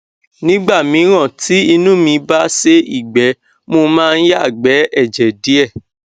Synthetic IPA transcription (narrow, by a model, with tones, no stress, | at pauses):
nĩ˦ɡ͡ba˦˨mĩ˨˧˦ɾ̃ã˦˨tʰi˨˦i˧nũ˦mĩ˧ba˦se˦i˦˨ɡ͡bɛ˨˦ | mo˧mãː˦˧n̩˦ja˦˨ɡ͡bɛ˨˦ɛ˦˨d͡ʒɛ˨di˨˦ɛ˦˨